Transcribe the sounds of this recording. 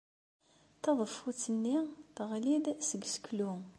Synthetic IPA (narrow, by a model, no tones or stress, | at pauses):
θɑðˤəfut͡sːənːiθʁlid̪səɡsə̥klu